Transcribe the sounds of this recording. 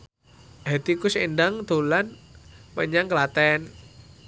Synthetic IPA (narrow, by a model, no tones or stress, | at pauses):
ɦet̪ikʊsendaŋd̪̥o̤lanməɲaŋkəlat̪ɛn